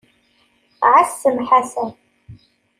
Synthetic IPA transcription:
ʕasːɨmħasa

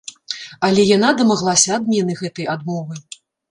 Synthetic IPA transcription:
ɐlʲɛjan̪ad̪ɐmaɣlˠasʲɐːd̪mʲɛnɨɣɛt̪ɐjad̪mɔvɨ

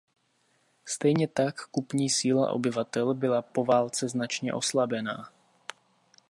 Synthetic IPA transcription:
st̪ɛjɲɛt̪akːupɲiːsiːla̰ʔo̞̰bɪvat̪ɛlbɪlapo̞vaːlt͡sɛznat͡ʃɲɛ̰ʔo̞slabɛna̰ː

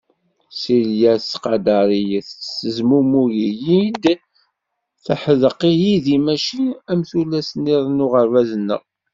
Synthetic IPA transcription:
siljæsqɑd̪ɑɾˤijθsəzmumujijid̪ | θəħəðəqːijiðimæʃiæmθulːæsniðˤnʊʁəɾvæzənːə̰ʁ

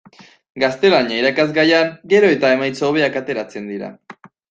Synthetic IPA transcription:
ɡast̪e̞laɲaiɾakazɡajaŋɡe̞ɾo̞e̞t̪ae̞majt͡soːβ̞e̞akat̪e̞ɾat͡se̞nd̪iɾa̰

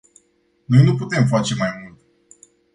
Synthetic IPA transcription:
nojnuput̪e̞mf̬at͡ʃe̞majmult̪

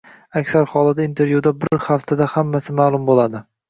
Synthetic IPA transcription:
akʲsaɾχɒlˠad̪aint̪ʰe̞ɾvjud̪abɪɾhaft̪ʰad̪ahamːasɪmaːlˠʊmbolˠad̪ɪ

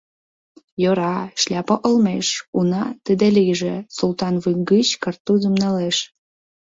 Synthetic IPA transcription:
joɾɑʃlʲɑpə̆ʔəlmeʃunɑt̪əd̪elijʒesult̪ɑnvɯŋɡət͡ɕkərt̪ːuzumneleʃ

